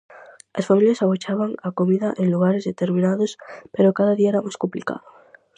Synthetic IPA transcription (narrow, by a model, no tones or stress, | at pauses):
asfamiljasaɣot͡ʃaβaŋakomiðaʔenluɣaɾezðet̪eɾmĩnaðospeɾokaðaðiaeɾamaskomplika̰ðo